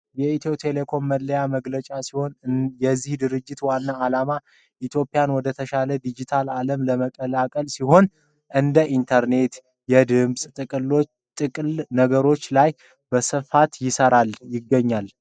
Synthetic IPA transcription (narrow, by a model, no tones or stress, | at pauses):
jɛit̪ʰewt̪ʰe̞le̞kʰo̞mːəlːəjaməɡlət͡ʃʼasiho̞njɛzːihd̪ɨɾɨd͡ʒːɪt̪wanːaːlama | ʔit̪ʰjo̞pʼːijanwɔd̪ət̪ʰəʃaləd̪id͡ʒit̪ʰalaləmləməkʼəlakʼəlsiho̞n | ʔɨnd̪əʔint̪ʰəɾne̞t̪ | jɛd̪ɨmsʼɨ | t̪ʼɨkʼlnəɡəɾo̞t͡ʃːlaj | bəsɨfat̪jɪsəɾaljɪɡːəɲːal